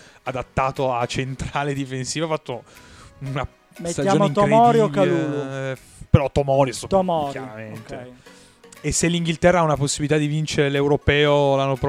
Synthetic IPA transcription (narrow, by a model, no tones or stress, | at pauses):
ad̪at̪ːaːt̪oat͡ʃent̪ɾaːled̪ifensiːvafːat̪ːouna | met̪st̪ajad͡ʒaomoit̪omɔɾiokːalu | peɾɔt̪ːomɔːɾisot̪mɔɾaɾament̪ej | esːelːiŋɡilt̪ɛrːaaunaposːibilit̪ad̪ivint͡ʃeɾelewɾopɛːolanːopɾ